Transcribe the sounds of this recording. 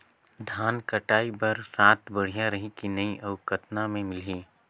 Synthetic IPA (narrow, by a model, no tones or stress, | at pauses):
d̪ʱaːnkəʈaːibɐɾsaːt̪ʰbəɽ̤ijaɾɐɦikinɐiʔɐʊkət̪namẽmɪliː